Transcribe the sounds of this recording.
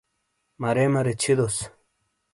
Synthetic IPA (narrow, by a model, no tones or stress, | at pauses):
mɐɾemɐɾet͡ɕʰid̪os